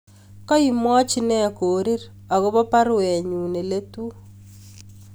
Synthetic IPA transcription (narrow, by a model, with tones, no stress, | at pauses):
kɔ˦i˨mwɔ˦t͡ʃi˦nɛ˦˨koː˨ɾi˦ɾ | a˨ɣo˦βɔ˦pa˦ɾwɛ˨ɲu˨ne˨le˦tu˦